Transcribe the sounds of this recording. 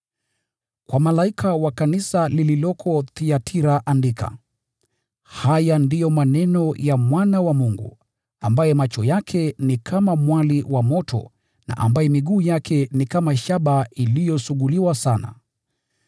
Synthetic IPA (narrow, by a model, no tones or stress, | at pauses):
kwamalaikʰawakanisalililɔkʰɔθiatʰiɾaʔandikʰa̰ | hajandijɔmanɛnɔjamwanawamuŋɡṵ | ambajɛmat͡ʃɔjakʰɛnikʰamamwaliwʔamɔtʰɔ̰ | na̰ʔa̰mbajɛmiɠuːjakʰɛnikamaʃaɓailijɔsuɠuliwasana̰